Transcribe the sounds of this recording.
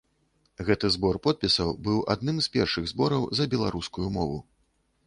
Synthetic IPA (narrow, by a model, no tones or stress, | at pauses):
ɣɛt̪ɨzbɔrpɔt̪̚pʲisɐwbɨwʔa̰d̪̚nɨmzpʲɛrʂɨɣzbɔɾɐwzɐbʲɛlˠaɾuskujumɔvṵ